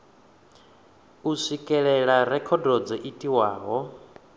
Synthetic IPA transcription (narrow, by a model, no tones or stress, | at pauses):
usʷikʼɛɺɛɺaɾɛkʰɔdɔd͡zɔʔitʼiwaːɦɔ